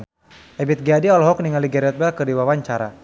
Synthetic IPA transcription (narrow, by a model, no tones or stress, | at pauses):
ʔɛbit̪̚ɡadiɔlɦɔk̚niŋaliɡaɾɛt̪̚bɛlkərdiwawaɲt͡ʃaɾa